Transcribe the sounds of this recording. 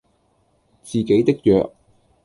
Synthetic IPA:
t͡siː˨ke˨˥jt̪ɪ˥k̚jœ̰ː˨k̚

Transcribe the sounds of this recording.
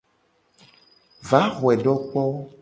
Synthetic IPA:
va˨˦xɔ˨ɛ˨ɖɔ˦k͡pɔ˦

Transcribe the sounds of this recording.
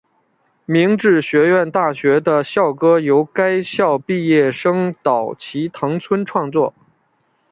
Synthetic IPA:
mi˧˥ŋʈ͡ʂɻ̩˥˩ɕɥɛ˧˥ɥɛ˥˧nt̪a˥˩ɕɥɛ˧˥d̪ə˧ɕjɑ˥˩ʊkɤ˥jo˧˥ʊka˥ɪɕjɑ˥˧ʊpi˥˧jɛ˥˩ʂɤ˥ŋt̪ɑ˨˩ʊt͡ɕʰi˧˥t̪ʰɤ˧˥ŋt͡sʰwə˥nʈ͡ʂʰwɑ˥˧ŋt͡swɔ˥˩

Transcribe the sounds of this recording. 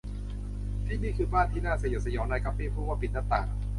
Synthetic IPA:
t̪ʰiː˥˩niː˥˩kʰɯː˧baː˥˩nt̪ʰiː˥˩naː˥˩sjsa˧jɔː˨˦ŋnaː˧jka˦˥p̚piː˥˩˨pʰɾuː˥˩waː˥˩pi˨˩t̪̚na˦˥˩t̪a̰ː˨˩

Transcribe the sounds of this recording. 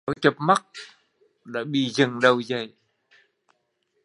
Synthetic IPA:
a˨˦˩t͡ɕə˨˩p̚ma˦˥t̚ | ɗa̰ː˧˥ɓḭ˧˨zə˨˩ŋɗə˨˩wzə˨˩j

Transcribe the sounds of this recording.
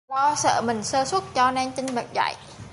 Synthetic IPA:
ɗɔ˨˧˦sə̰ː˧˩mï˨˩ŋ̟səː˧swə˦˥t̚t͡ɕɔ˧nɛ˧ŋt͡ɕ̪ï˧ŋɓə̰˨˩t̚za̰˧˨j

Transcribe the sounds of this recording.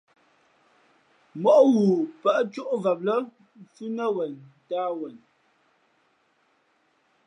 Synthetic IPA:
mɔ˨ʔɣu˨pə˦˨ʔt͡ʃu˦ʔvə˨p̚lə˦ | fʉ˦nə˦wə˨ntaː˦wə˨n

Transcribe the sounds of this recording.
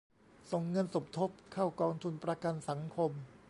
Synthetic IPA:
so˨˩ŋːɤ˧nso˨˩p̚t̪ʰo˦˥p̚kʰa˥˩wkɔː˧ŋt̪ʰu˧npɾa˧ka˧nsa˩˦ŋkʰo˧m

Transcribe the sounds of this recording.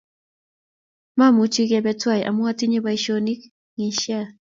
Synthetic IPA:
ma˦˨mu˨t͡ʃi˦ɣa˨bɛ˨twa˦jʔa˨mu˦a˦ti˦ɲɛ˦βa˨iʃɔni˦k | ŋi˨ʃa˦˨

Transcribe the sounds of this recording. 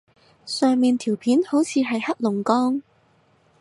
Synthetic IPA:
sœː˨˧ŋmiː˨nt̪ʰiː˨˩wpʰiː˨˥nho˨˥wt͡sʰiː˨˧ɦɐ˨jhɐ˥k̚lʊ˨˩ŋkɔː˥ŋ

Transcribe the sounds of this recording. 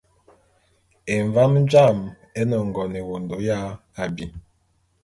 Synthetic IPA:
e˨ɱva˦m˦d͡ʒa˦˨m | e˦nɔ˨ŋ˨ɡɔ˨ne˨wo˨ndo˨˦ja˦ | a˨bi˨

